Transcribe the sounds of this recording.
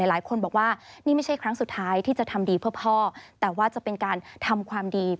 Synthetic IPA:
aː˨˩˦jlaː˨˩˦jkʰo˧nbɔː˨˩k̚waː˥˩niː˥˩ma˥˩jt͡ɕʰa˥˩jkʰɾa˦˥ŋsu˨˩t̪ʰːaː˦˥jt̪ʰiː˥˩t͡ɕa˨˩t̪ʰa˧mdiː˧pʰɯ˥˩əpʰɔː˥˩t̪ɛː˨˩waː˥˩t͡ɕa˨˩pe˧nkaː˧nt̪ʰa˧mkʰwaː˧mdiː˧

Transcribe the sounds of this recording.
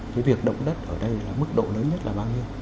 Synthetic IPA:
kaː˨˦vi˨˩ək̚ɗə̰˧˨wŋ͡mɗə˦˥t̚ʔəː˧˩ɗə˧jlaː˨˩mɨ˦˥k̚ɗo̰˧˨ləː˨˦nɲə˦˥t̚laː˨˩ɓaː˧wɲi˧əw

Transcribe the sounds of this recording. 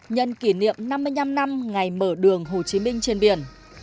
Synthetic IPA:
ɲə̰˧˨nki˧˩nḭ˧˨əmna˧mːɨ˧əjɲna˧mna˧mŋa˨˩jməː˧˩ɗɨ˨˩əŋɦo˨˩t͡ɕi˨˦mï˧ŋ̟t͡ɕe˧nɓi˧˩ən

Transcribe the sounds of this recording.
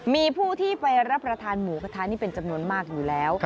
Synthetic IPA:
miː˧pʰuː˥˩t̪ʰiː˥˩pa˧jɾa˦˥pːɾa˧t̪ʰaː˧nmuː˩˦kʰa˧t̪ʰaː˧nːiː˥˩pe˧nt͡ɕa˧mnu˧ənmaː˥˩k̚juː˨˩lɛː˦˥w

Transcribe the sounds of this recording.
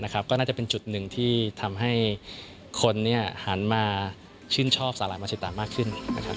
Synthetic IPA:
na˦˥kʰɾa˦˥p̚kɔː˥˩naː˥˩t͡ɕa˨˩pe˧nt͡ɕu˨˩t̪̚nɯ˨˩ŋt̪ʰiː˥˩t̪ʰa˧mɦa˥˩j | kʰo˧nːi˥˩ɐha˩˦nmaː˧ | t͡ɕʰɯː˥˩nt͡ɕʰɔː˥˩p̚saː˩˦laː˩˦jmaː˧si˨˩t̪ːaː˨˦maː˥˩kʰːɯ˥˩nna˦˥kʰɾa˦˥

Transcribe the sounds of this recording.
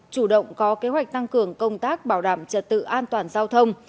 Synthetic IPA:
t͡ɕu˧˩ɗə̰˧˨wŋ͡mkɔ˨˦ke˨˦ɦwa˨˩jk̟̚t̪a˧ŋkɨ˨˩əŋkə˧wŋ͡mt̪aː˦˥k̚ɓaː˧˩wɗaː˧˩mt͡ɕə˨˩t̚t̪ɨ̰˧˨ʔaː˧nt̪waː˨˩nzaː˧wt̪ʰə˧wŋ͡m

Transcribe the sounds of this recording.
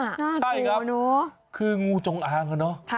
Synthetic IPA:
a˥˩jkʰɾa˦˥nu˦ | kʰɯː˧ŋuː˧t͡ɕo˨˦ŋʔaː˧ŋa˧˩nɔ˦˥

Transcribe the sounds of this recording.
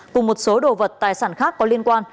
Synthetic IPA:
kʊ˨˩ŋ͡mmo˨˩t̚so˨˦ɗo̰˨˩və˨˩t̚t̪aː˨˩jsaː˧˩nxaː˦˥kːɔ˨˦li˧ənkwaː˧n

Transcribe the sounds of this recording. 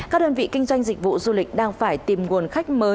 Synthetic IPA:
kaː˦˥k̚ɗəː˧nvḭ˧˨ki˧ŋ̟zwa˧jŋ̟zï˨˩k̟̚vṵ˧˨zu˧lï˨˩k̟̚ɗaː˧ŋfaː˧˩jt̪i˨˩mŋu˨˩ənxa˦˥jk̟̚məː˨˦

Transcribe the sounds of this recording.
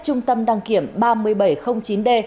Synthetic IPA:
t͡ɕʊ˧ŋ͡mt̪ə˧mɗaː˧ŋki˧˩əmɓaː˧mɨ˧əjɓə˧˩jxə˧wŋ͡mt͡ɕi˨˦nɗe˧

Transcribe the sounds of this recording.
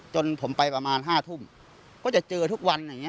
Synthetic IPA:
t͡ɕo˧npʰo˩˦mpa˧jpɾa˧maː˧nɦaː˥˩t̪ʰu˥˩m | kɔː˥˩t͡ɕa˨˩t͡ɕɤː˧t̪ʰu˦˥k̚wa˧na˨˧˩ŋi˦˥

